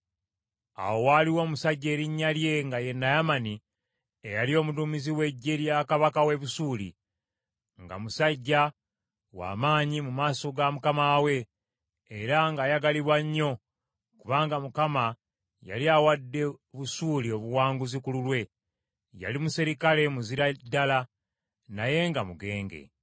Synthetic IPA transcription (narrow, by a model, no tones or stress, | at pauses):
a̰wo̞waːliwo̞musaɟːe̞ːɾiɲːalje̞ŋɡaje̞nːajamani | ejalio̞ːmudumiziwe̞ɟːeljakaβakawe̞βusuːlḭ | ŋɡa̰musaɟːa | wa̰ːmaːɲimumaːso̞ɡamukamaːwe̞ː | ɾaŋɡajaɡaliβwaɲːo̞ | kuβaːŋɡamukama | ja̰liawadːe̞βusuːlio̞βuwaːŋɡuzikululwe̞ | ja̰limusiɾikale̞muziɾadːala | naje̞ŋɡamuɡe̞ːŋɡe̞̰